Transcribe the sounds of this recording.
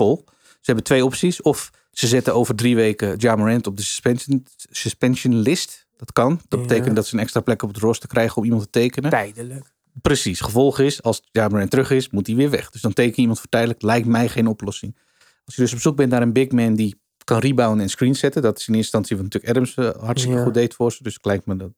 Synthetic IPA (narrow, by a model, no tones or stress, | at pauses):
fɔlˠ | səɦɛbətʋejɔpsisɔf | səzɛtəoːvərdriʋejkəjaːməɹɛntɔp̚dəspsəspɛnsənlɪst | d̥ɔtkɑndɔt̚bəteːkəntdɔtsəənɛkstraːplɛkɔp̚dərɔstə̥krɛjχəɔmimɑntə̥tejkənə | prəsisχəvɔlˠχəɪsɑlˠsjaːmərɛntrøχɪsmutdiʋɪːɹʋɛ̰χd̥øsdɔntejkənəimɑntfətɛjdələklɛjk̚tmɛjχeːnɔplɔsɪŋ | ɑlˠsjədøsɔpsuk̚bɛntnaːɾənbɪkmɛndi | kɑnribawənɛnskrinsɛtədɔtɪ̥sɪnɪːnstɑnsjəʋɔtntyːləkɛdəmshɑtstikəxutdeːtfʊrsədøsɪ̥klɛjk̚tmədɔt